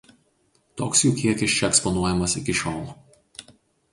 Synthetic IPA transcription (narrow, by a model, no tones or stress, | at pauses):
t̪oːksjuːkʲiɛkʲɪst͡ʃʲɛɛkspɔnuɔjɛmɐsɪkʲɪʃʲoːlˠ